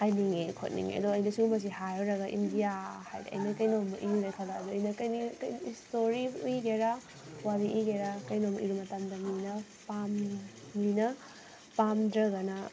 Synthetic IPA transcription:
hajniŋekʰo̰t̚nḭŋḛɐ̰d̪ɔɐjnɐsumɐs̬ihajɾoɾɐɡɐʔindijaha̰jd̰ʔɐ̰jnɐkɐjnomɐʔijuɾajkʰalaːd̪ɔɐjnɐkɐjnikjistoɾiujɡeɾa | waɾiʔuɡeɾakɐjnomʔiɾumɐtamd̪ɐminɐpamː | inɐ | pamdɾɐɡɐnɐ

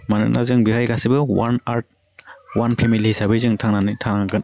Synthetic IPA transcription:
manɯ̰k̚nʔazɯŋbiɦajɡasibɯwanaɾt̚ | wanpʰemilisabizɯŋtʰaŋnanitʰaŋnaŋɡɯn

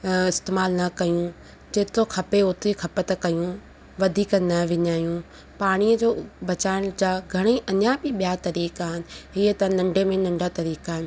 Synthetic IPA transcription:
ɪst̪eːmaːlnɐkɐjũ | d͡ʑeːt̪oxʰɐpeʊt̪ɾikʰɐpət̪ɐkɐjũ | ʋɐd̪ʱiːkənɐʋɪɲaːjũ | paːɽ̃iəd͡ʑoːbɐt͡ɕaːɪɽ̃d͡ʑaːɡʱɐɽ̃iʔɐɲabɪɓijat̪ɐɾiːkaːɦɪnɪ̆ɦiət̪ɐnɐ̃ɳɖʱemẽnɐ̃ɳɖʱat̪ɐɾiːkaːɦɪnɪ̆

